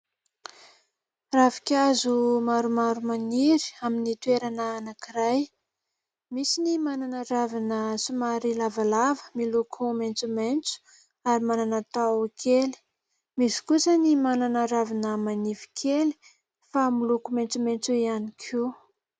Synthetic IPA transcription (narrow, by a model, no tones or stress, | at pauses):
ravi̥kʲazumaɾumaɾumaniɾi̥aminit̪ueɾanəːnakiɾaj | misinimananaɾavinəsumaɾilavalavəmilukʰument͡sument͡su̥ | aɾimananat̪awkʰeli̥ | misi̥kusənimananaɾavinəmanivi̥kʰeli̥ | familukument͡sument͡suianikʰu